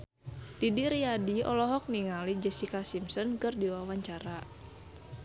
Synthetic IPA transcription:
d̥idiɾiadiɔ̰lɔɦɔk̚niŋalid͡ʒɛsikasimsɔnkɨrdiwawaɲt͡ʃaɾa

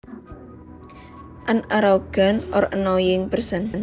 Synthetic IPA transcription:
ʔanaɾawɡ̥a̤nʔɔ̰ɾʔənɔjɪŋpərsənn

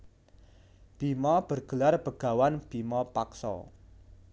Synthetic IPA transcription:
b̥imɔb̥ərɡ̥ə̤larb̥əɡ̥a̤wanb̥imɔpaksɔ̰

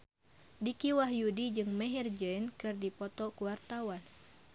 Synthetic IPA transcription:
dikiwaɦjudid͡ʒɨŋmɛɦird͡ʒɛnkɨrdipɔt̪ɔkuwart̪awan

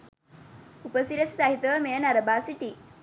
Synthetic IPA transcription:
upəsiɾɐssaɦit̪əmejɐnɐɾɐbaːsiʈi

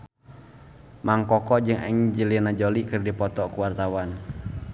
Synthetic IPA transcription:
maŋkɔkɔd͡ʒɨŋɛ̰ŋd͡ʒəlinad͡ʒɔlikɨrdipɔt̪ɔkuwart̪awan

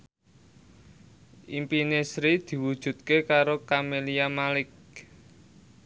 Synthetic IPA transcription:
ʔimpinesɾid̪̥i̤wud̥ʒ̥ṳt̪̚kekaɾokameliamalɪk̚

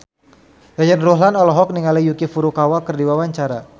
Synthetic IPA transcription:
jad͡ʒanruɦlanɔlɔɦɔk̚niŋalijukifuɾukawakərdiwawaɲt͡ʃaɾa

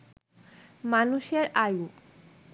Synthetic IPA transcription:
manuʃeɾaju

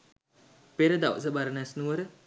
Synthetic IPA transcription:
peɾəd̪aʋ̰s̬əbaɾənɛsnuʋəɾə

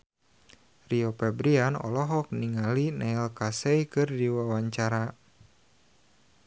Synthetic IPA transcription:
riɔpɛbɾianɔ̰lɔɦɔk̚niŋalinailkasɛjkɨrdiwawaɲt͡ʃaɾa

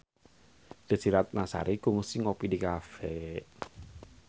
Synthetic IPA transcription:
d̪̥ə̤siɾat̪̚nasa̰ɾiɡuŋsiŋopidikafɛ

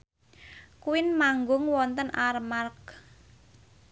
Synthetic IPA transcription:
kuwɪnmaŋɡʊŋwɔnt̪ənʔaɾmark

